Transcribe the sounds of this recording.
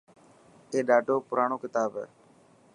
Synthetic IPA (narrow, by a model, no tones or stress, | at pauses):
eːɗaːɖʱoːpʊɾaːɳoːkɪt̪aːbɛ̰ː